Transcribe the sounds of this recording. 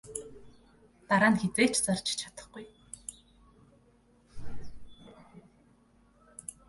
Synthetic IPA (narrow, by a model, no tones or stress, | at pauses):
t̪aɾaːnxet͡seːt͡ɕt͡sart͡ɕɪ̥t͡ɕʰat̪ə̥̆χɡuj